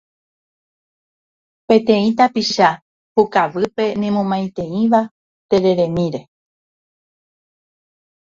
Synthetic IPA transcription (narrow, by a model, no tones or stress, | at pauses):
pẽ̞t̪ẽ̞ĩt̪apiʃa | hukaʋɨpe̞nĩmõmãj̃t̪ẽ̞ĩʋa | t̪e̞ɾe̞ɾẽ̞mĩɾe̞